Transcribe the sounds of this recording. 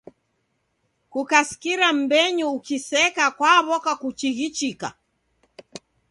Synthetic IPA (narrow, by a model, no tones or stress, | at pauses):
kukaskiɾam̩bɛɲuukisɛkakwaβɔkakut͡ʃiɣit͡ʃika̰